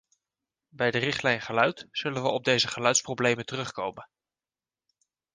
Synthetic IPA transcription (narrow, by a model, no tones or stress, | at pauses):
bɛjdərɪχtlɛjnχəlœɥtz̥ɵlənʋəɔb̚dejzəχəlœɥtsprowblejməntərɵχkowmən